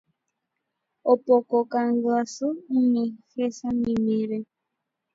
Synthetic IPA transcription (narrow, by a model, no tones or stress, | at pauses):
opokɔkaŋ̩ɡasoumexesamimeɾe